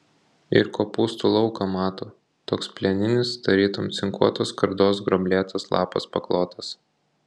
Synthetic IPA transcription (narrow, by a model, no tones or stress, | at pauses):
ɪ̰ɾkoːpuːst̪ulˠɒʊkɐmɑːt̪oː | t̪oːkspʲlʲɛnʲɪnʲɪst̪ɐɾʲiːt̪omt̪sʲɪŋkuɔt̪oːskɐɾd̪oːsɡɾɔbʲlʲeːt̪ɐslˠɑ̰ːpɐ̰spɐklˠoːt̪ʰɐs